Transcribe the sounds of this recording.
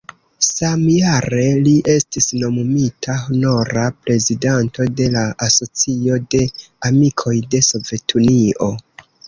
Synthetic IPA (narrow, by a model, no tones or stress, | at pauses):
samjaɾe̞liʔe̞stisno̞mumitʰahono̞ɾapɾe̞zidanto̞de̞laaso̞t͡sio̞de̞ | amikʰo̞jde̞so̞ve̞tʰunio̞